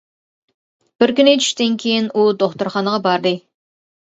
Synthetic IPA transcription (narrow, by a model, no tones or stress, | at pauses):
b̥ɪɾkʲynʲet͡ʃ̪ʰy̥ʃt̪ɪnkʲʰejɪnud̪oχt̪ʊɾχɑnəʁɑbɑɾd̪ɨ